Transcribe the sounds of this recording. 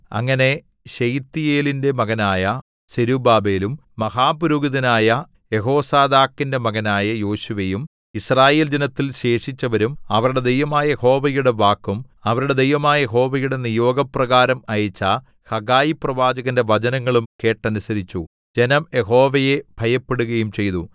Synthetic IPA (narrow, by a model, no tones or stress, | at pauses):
ɐ̰ŋːɐne̞ | ɕejt̪ːijeːlinde̞mɐɣɐnaːjɐ | seɾubaːbe̞ːlumːɐɦaːpuɾuːɡiðɐnaːjɐ | je̞ɦo̞ːsaːd̪aːkːinde̞mɐɣɐnaːjɐjo̞ːɕuʋejum | israːje̞ːld͡ʑenɐt̪ːilɕe̞ːʂit͡ɕːɐʋɐɾumɐʋɐɾuɽe̞d̪ejʋɐmaːjɐjeho̞ːʋɐjuɽe̞ʋaːkːumɐʋɐɾuɽe̞d̪ejʋɐmaːjɐjeɦo̞ːʋɐjuɽe̞nijo̞ːɡɐprɐɣaːɾɐmɐjɐt͡ɕːa | hɐɡaːjiprɐʋaːd͡ʑɐɣɐnde̞ʋɐd͡ʑɐnɐŋːɐɭumke̞ːʈːɐnusɐɾit͡ɕːu | d͡ʑe̞nɐmje̞ɦo̞ːʋɐje̞b̥ʱɐjɐpːeɽuɣɐjumt͡ɕe̞jt̪u